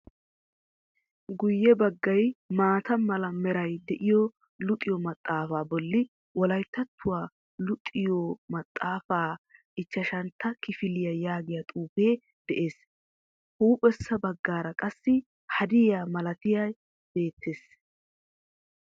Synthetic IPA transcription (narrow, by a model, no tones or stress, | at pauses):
ɡʊjːɛbɐɡːɐjmaːt̪ɐmɐlɐmɛɾɐjd̪ɛʔɪjɔ | lʊt̪ʼːɪjɔmɐt̪ʼːaːfaːbɔlːɪ | wɔlɐjt̪ːɐt̪ʰːʊwaː | lʊt̪ʼːɪjɔmɐt̪ʼːaːfaːʔɪt͡ʃːɐʃɐnt̪ʰːɐkɪfɪlɪjɐjaːɡɪjat̪ʼuːfe̞ː | d̪̥ɛʔe̞ːs | huːpʼɛsːɐbɐɡːaːɾɐkʼɐsːɪ | hɐd̪ɪjaːmɐlɐt̪ɪjɐj | b̥e̞ːt̪ʰːe̞ːs